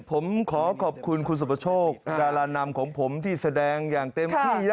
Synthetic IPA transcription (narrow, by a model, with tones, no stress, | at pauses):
pʰo˩˦mkʰɔː˩˦kʰɔː˨˩p̚kʰu˧nkʰu˧ns̬u˨˩pʰːa˧t͡ɕʰoː˥˩k̚kaː˧laː˧na˧mkʰɔː˩˦ŋpʰo˩˦mt̪ʰiː˥˩sa˧dɛː˧ŋjaː˨˩ŋt̪e˧mt̪iː˩˥˩ja˦˧